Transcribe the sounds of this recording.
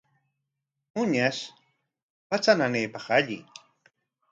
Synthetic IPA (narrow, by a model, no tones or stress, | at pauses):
ʊɲaʃ | pat͡sananejpɑχaʎɪ̰